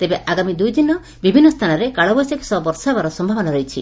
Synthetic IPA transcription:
t̪ebeʔʔaɡamid̪ujd̪inɔ | bibʱinːɔst̪ʰanɔɾekaɭɔbɔjseksɔbɔɾsabaɾɔsɔmbʱabɔnaɾɔit͡ʃʰḭ

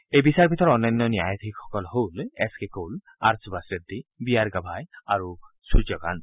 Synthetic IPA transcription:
ejbisaɹpit̪ɔɹɔnːɔnːɔnija̰jat̪ʰikxɔ̥kɔlɦolɛ̰skekol | a̰ɹsbasɹetd̪ibiaɹɡabʱajaɹu | sud͡ʒɔɡa̰n

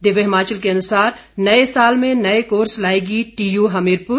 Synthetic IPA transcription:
d̪ɪʋəɦɪmaːt͡ʃəlkeɐnʊsaːɾnɐesaːlmẽnɐekoːɾslaːeːɡiʈiːjuɦɐmiːɾpʊɾ

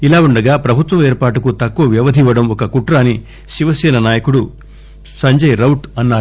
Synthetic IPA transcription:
ilaːuɳɖɐɡaːpɾɐbʱut̪ʋɐmeːɾpaːʈ̬ukut̪ɐkːuʋɐʋjɐʋɐd̪ʱiʋɐɽɐmɔkɐkuʈɾaːni | ʃiʋɐsɛːnɐnaːjɐkuɽu | sɐɲd͡ʒɐjɾɐwʈɐnːaː

